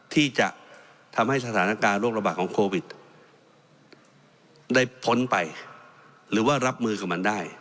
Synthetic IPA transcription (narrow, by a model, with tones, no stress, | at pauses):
t̪ʰiː˥˩t͡ɕa̰˨˩ʔ | t̪ʰa˧mha˥˩js̬a˧t̪ʰaː˩˦na˧˩kaː˧nɾoː˥˩k̚ɾa˧baː˨˩t̪̚kʰɔː˩˦ŋkʰoː˧wi˨˩t̪̚ | da˥˩jpʰo˩˦npa˧j | ɾɯː˩˦waː˥˩ɾa˦˥p̚mɯː˧ka˨˩p̚ma˧ndaː˥˩j